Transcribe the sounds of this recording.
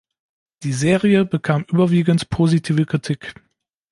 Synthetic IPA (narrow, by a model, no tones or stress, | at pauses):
d̥iːzeːʁiəbəkʰaːmʔyːbɐviːɡəntpʰozitʰiːvəkʁ̥itʰiːk